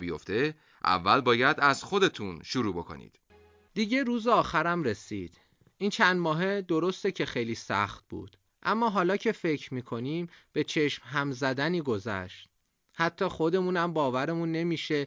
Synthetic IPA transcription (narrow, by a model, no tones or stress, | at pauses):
bijo̞̰ft̪e̞ | ʔæ̰vːælbɒːjæd̪æzxo̞d̪e̞t̪ʰunʃuɾuːbo̞kʰo̰nḭːd̪̥ | d̪̥iːɟe̞ɾuːzeɒːxæɾæmɾe̞siːd̪̥ | ʔiːnt͡ʃʰænd̪mɒːɦe̞d̪o̞ɾo̞st̪ecʰe̞xejliːsæ̰xt̪̚bṵːd̪̥ | ʔæmːɒːɦɒːlɒːcʰe̞fe̞cʰɾmiːkʰo̞niːmb̥e̞t͡ʃʰe̞ʃmɦæmzæd̪æniːɡo̞zæ̰ʃt̪̚ | hæt̪ʰːɒːxo̞d̪e̞muːnæmbɒːvæɾe̞muːnːe̞miːʃe̞